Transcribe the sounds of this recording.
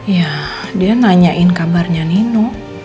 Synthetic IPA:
jadianaɲaʔɪnkabarɲaninʊ

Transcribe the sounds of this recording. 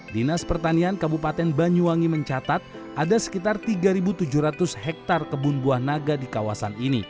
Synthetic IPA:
dinaspərt̪aniankabupat̪ɛnbaɲuaŋiməɲt͡ʃat̪at̪̚ | ʔadasə̥kit̪art̪iɡaɾibut̪ud͡ʒuɾat̪ʊshɛk̚t̪arkəbʊnbuahnaɡadikawasanini

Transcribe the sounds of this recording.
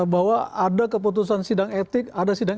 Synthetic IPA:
bawaadakəp̬ut̪̬us̬ansidaŋet̪ɪk̚adasidaŋ

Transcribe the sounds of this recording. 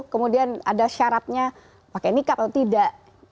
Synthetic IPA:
kəmudiana̰daʃaɾat̪̚ɲa | pakenikapaut̪idaʔ

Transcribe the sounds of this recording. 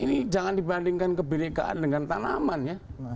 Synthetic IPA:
inid͡ʒaŋandibandiŋkankəbilɪka̰ʔa̰ndəŋant̪ana̰manja

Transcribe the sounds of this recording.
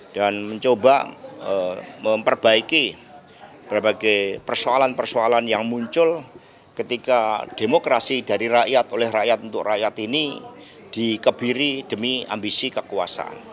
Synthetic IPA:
d̥anməɲt͡ʃobaəməmpərb̥aiki | b̥əɾbaɡajpərsoalanpərsoalanjaŋmuɲt͡ʃʊl | kət̪ikad̥emokɾasidaɾiraʔjat̪olɛhraʔjat̪unt̪ʊkrajat̪ini | d̥ikəb̥iɾid̥əmia̰mbisikəkua̰sa̰ʔa̰n

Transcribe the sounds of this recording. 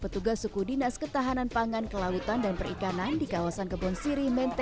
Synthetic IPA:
pət̪uɡasukudinaskət̪aɦananpaŋankəlaut̪andanpəɾikanandikawasankəbɔnsiɾihmɛnt̪

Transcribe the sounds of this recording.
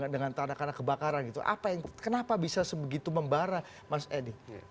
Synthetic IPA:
dəŋant̪anakanakəbakaɾanɡit̪ṵʔa̰pajaŋkənapabisasəbəɡit̪uməmbaɾa | masedi

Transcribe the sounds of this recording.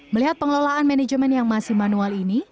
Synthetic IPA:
məliɦat̪̚pəŋlolaanmɛnɛd͡ʒmɛnjaŋmasɪhmanualini

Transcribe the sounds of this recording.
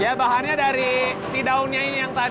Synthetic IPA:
jabaɦanɲadaɾit̪idaunɲainijaŋt̪a

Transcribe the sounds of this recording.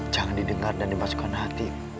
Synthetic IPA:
d͡ʒaŋandidəŋardandimaskanɦat̪i

